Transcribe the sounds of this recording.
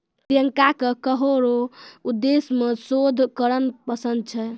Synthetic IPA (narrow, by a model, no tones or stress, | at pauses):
t̪ijəŋkakekəɦoɾoud̪ːesmesod̪ʱkəɾənpəsənd̪̚t͡ʃʰɛ